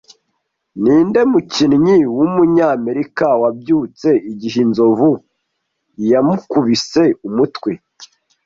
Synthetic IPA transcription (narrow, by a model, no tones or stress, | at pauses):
niːnde̞mucinɲiwumuɲaːme̞ɾikawabjuːt͡se̞iɟiɦinzo̞vu | ijamukuβise̞umutwe̞